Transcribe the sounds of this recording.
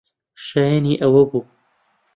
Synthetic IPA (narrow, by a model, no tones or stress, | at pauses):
ʃajaniːʔɐwɐbuː